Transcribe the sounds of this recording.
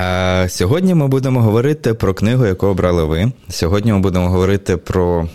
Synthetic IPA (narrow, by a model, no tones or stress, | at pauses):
sʲɔɦɔdʲnʲimɪbud̪emɔɦɔʋɔɾɪt̪ɪpɾɔknɪɦʊjɐkɔɦʊbɾɑlˠɪʋɪsʲɔɦɔdʲnʲimɪbud̪e̞mɔɦɔʋɔɾɪt̪ɪpɾɔ